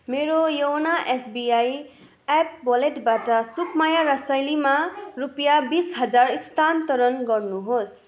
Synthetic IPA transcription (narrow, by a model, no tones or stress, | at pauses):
meɾojʌwnaʔesbiaj | ap̚bʌleʈbaʈʌsukʰmajaɾʌsajlimarupjabisɦʌd͡zarist̪ʰant̪ʌɾʌnɡʌrnuɦos